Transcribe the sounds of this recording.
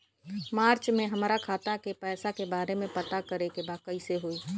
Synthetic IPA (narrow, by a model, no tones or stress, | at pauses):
maːɾt͡ʃmẽɦɐmɾakʰaːt̪akepɛːsakebaːɾemẽpɐt̪akɐɾekebaːkəiseɦoiː